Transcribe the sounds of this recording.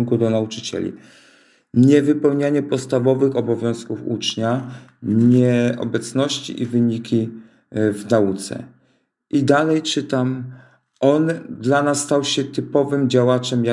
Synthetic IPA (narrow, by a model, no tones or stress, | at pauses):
ŋkud̪ɔnaut͡ʂɘt͡ɕɛ̰lʲḭ | ɲɛvɘpɛwɲaɲɛpɔt̪st̪avɔvɘxɔbɔvʲjɔ̃w̃skufṵt͡ʂɲaɲɛɔ̰bɛt̪snɔɕt͡ɕḭʔivɘɲikʲi | vnaut̪sɛ̰ | ʔid̪alɛjt͡ʂɘt̪am | ʔɔnd̪lanasːt̪awɕɛt̪ɘpɔvɘmd͡ʑawat͡ʂɛmja